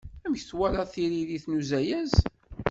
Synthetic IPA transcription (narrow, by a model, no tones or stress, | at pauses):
æmçθwælɑθiɾiðiθnuzæjæz